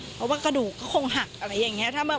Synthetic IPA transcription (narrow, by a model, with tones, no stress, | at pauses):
pʰɛ˨˩waː˥˩ka˧duː˨˩kːɔː˥˩kʰo˧ŋɦa˨˩k̚ʔʔa˧ɾa˧jːa˨˩ŋːi˦˥ɐt̪ʰaː˥˩bɛː˨˩